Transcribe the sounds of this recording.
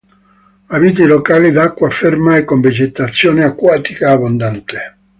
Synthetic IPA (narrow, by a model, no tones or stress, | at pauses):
avit̪̬ilokaːlid̪akːwafermaekːomvid͡ʒet̪at̪sːjoːneakwaːt̪ikaːbond̪ant̪e̥